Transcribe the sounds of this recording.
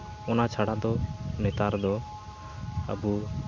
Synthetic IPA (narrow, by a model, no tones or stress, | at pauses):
ɔnat͡ʃʰaɽad̪ɔnɛt̪aɾd̪ɔ | ə̰bu